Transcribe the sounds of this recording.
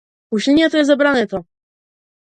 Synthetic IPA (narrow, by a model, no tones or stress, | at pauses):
uɕilʲɲɛt̪ɔjɛzɛbɾanɛt̪ɔ